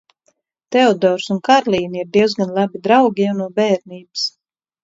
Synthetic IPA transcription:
t̪ɛɔd̪ɔːɾsunkaɾlˠiːniiɾd̪iɛwzɡanlˠabid̪ɾawɡʲijawnuɔbɛːɾniːbɨs

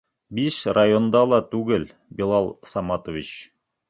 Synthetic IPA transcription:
biʃrajond̪ɑlˠɑt̪ʉɡɘl | bilˠɑlˠsɑmɑt̪ovʲit͡ɕ

